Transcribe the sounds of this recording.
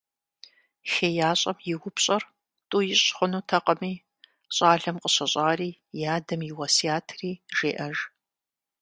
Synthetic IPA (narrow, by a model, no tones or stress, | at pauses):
xeːjaːɕʼɐmjɪwʊpɕʼɐr | tʼuːjɪɕʼχʷʊnuːtʰɐqəmiː | ɕʼaːɮɐmqəɕɐɕʼaːriːjaːdɐmjɪwɐsiaːtʰriːʒeːʔɐʒ